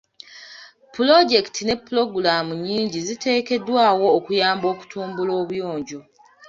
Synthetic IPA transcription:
pulo̞ɟe̞ktʰine̞pːulo̞ɡulaːmuɲiːɲɟizite̞ːke̞dwaːwo̞ːkujaːmbo̞ːku̥tʰuːmbulo̞ːβujo̞ːɲɟo

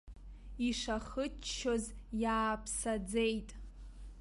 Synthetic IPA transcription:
iʂaχət͡ʃʃozjaːpʰsad͡zejtʼ

